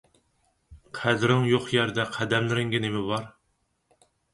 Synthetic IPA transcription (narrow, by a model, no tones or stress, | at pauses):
qʰæd̪ɾɪŋjoχjɛɾd̪ɛqʰæd̪ɛmlɪɾɪŋɡʲɪnɪmɪbɑɾ